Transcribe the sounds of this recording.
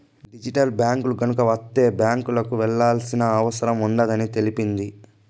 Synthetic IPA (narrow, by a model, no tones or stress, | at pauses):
ɖid͡ʒiʈɐlbjaːŋkuluɡɐnukɐʋɐt̪ːe̞ːbjaːŋkulɐkuʋɛɭːaːlsinɐːʋɐsɐɾɐmuɳɖɐd̪ɐnit̪e̞lipind̪i